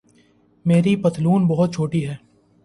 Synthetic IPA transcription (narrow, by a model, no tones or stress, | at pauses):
meːɾipɐt̪luːnbɐɦʊt̪̚t͡ʃʰoːʈiɦɛː